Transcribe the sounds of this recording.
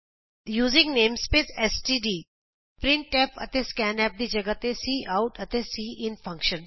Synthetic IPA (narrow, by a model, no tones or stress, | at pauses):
juːzɪ̃ŋɡneːmspeːsɛsʈiːɖiː | pɾɪ̃ɳʈepɐ̰t̪eskɛ̃ːnɛːp̚d̪iːd͡ʒɐɡət̪esiːʔaʊʈɐt̪esiːʔɪnfɐ̃ŋkʃə̃n